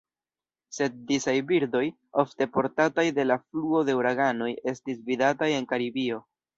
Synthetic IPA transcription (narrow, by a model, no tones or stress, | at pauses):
se̞t̚disajbiɾdo̞j | o̞fte̞po̞ɾtatajde̞lafluo̞de̞uɾaɡano̞je̞stisvidataje̞nkaɾibio̞